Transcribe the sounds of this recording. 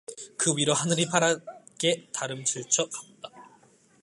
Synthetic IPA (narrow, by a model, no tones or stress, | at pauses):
kɯwiɾoɦanɯɾipʰaɾa | ɡe̞taɾɯmt͡ɕɯɭt͡ɕʰʌkak̚t͈ḁ